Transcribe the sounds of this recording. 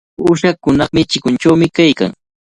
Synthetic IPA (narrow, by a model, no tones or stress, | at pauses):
ʊʃakʊnɑχmɪt͡ʃɪkʊnt͡ʃawmɪkajka̰ŋ